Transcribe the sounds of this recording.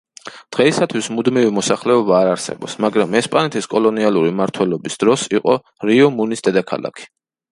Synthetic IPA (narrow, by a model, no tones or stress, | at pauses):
d̪̥ʁɛisat̪ʰwismud̪mivimɔsaχlɛɔbaːɾaɾsɛ̰bɔpsmaɡɾamɛspʼanɛt̪ʰiskʼɔlˠɔnialˠuɾimaɾt̪ʰwɛlˠɔbisd̪̥ɾɔsiqʼɔ | ɾiɔmunisd̪ɛd̪akʰa̰lˠa̰kʰi̥